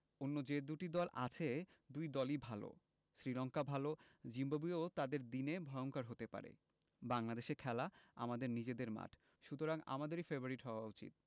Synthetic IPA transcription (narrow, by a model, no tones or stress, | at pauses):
onːod͡ʑed̪uʈid̪ɔlʔa̰t͡ɕʰed̪ujd̪ɔlibʱalo̰ | ʃɾilɔŋkabʱalod͡ʑimbabiot̪ad̪eɾd̪inebʱɔeoŋkaɾɦot̪epa̰ɾḛ | baŋlad̪eʃeɾkʰɛlaa̰mad̪eɾnid͡ʑed̪eɾma̰ʈʰ | ʃut̪oɾaŋa̰mad̪eɾifebaɾiʈɦɔoaut͡ɕḭt̪̚